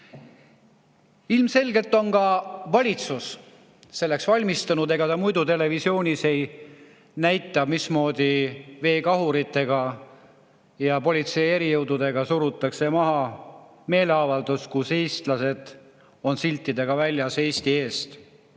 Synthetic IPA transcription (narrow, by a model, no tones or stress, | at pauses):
ilmse̞lʲɡe̞lt̪ːˑo̞nkɑvɑlʲit̪sus | se̞lːeksvɑlʲmist̪ɑnud̪e̞ɡɑt̪ɑmujd̪ut̪e̞le̞visio̞ːnʲise̞j | næjt̪ˑːɑmismo̞ːd̪̥ive̞ːkɑɦuɾit̪ːe̞ɡ̥ɑ | jɑpo̞lʲit̪se̞je̞ɾijɤwd̪ud̪̥e̞ɡ̥ɑsuɾut̪ːˑɑkse̞mɑɦɑ | me̞ːleɑvɑld̪uskuse̞jst̪lɑse̞d̪̥ | o̞nsilʲt̪ːid̪e̞ɡ̥ɑvælʲjɑse̞ːst̪ie̞ːst̪